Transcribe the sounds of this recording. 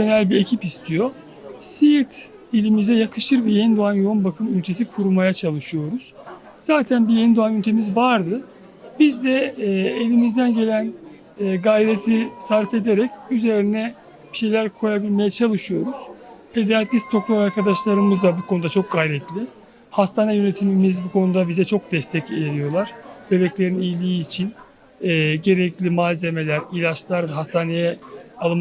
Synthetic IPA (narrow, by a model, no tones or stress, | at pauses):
e̞nælʲbiecʰipist̪ʰijo̞ | sit̪ʰ | elʲimizɛjakʰɯʃɯɾbijenid̪oanjounbakʰɯmynʲt̪ʰe̞sikʰuɾumajat͡ʃʰalˠɯʃɯjo̞ɾuz̥ | z̥aːt̪ʰænbijenid̪oanynt̪ʰe̞mizvaɾd̪ɯ | bizd̪ɛelʲimizd̪ænɟe̞lʲænː | ɡajɾet̪ʰisaɾfe̞d̪e̞ɾɛcyze̞ɾinɛ | b̥iʃe̞jlʲæɾkʰo̞jabilʲme̞jɛt͡ʃʰalˠɯʃɯjo̞ɾuz̥pʰe̞d̪eat̪ist̪ʰo̞klˠaɾaɾkad̪aʃlˠaɾɯmɯzd̪abukʰo̞nud̪at͡ʃʰo̞k̚ɡajɾɛt̪lʲi | hast̪ʰaːnɛjø̞ne̞t̪ʰimimizbukʰo̞nud̪abizɛt͡ʃʰo̞k̚d̪ɛst̪ʰɛcejeɾijo̞lˠaɾ̥be̞bɛclʲe̞ɾinijlʲiːt͡ʃʰin | ɛːɟe̞ɾɛclʲimaːze̞me̞lʲæɾilʲat͡ʃlˠaɾvɦast̪ʰaːne̞jɛalˠɯm